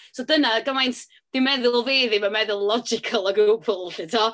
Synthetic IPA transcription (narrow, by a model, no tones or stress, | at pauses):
sɔdənaɡəmajnt | d̥ɪmɛðʊlˠveːðimamɛðʊlˠlˠɔd͡ʒɪkʰəlˠɔɡuːpʰʊlˠɬɪtʰɔ